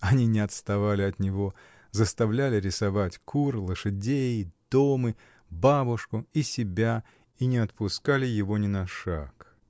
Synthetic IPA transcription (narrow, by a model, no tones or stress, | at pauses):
ɐnʲinʲɪɐt̪st̪ɐvalʲɪɐt̪nʲɪvo̞ | zəst̪ɐvlʲælʲɪɾʲɪsɐvatʲkʰurlˠəʂɨdʲejd̪̥omɨ | babʊʂkʊisʲɪbʲa | inʲɪɐt̪pʊskalʲɪjɪvo̞nʲɪnɐʂa̰k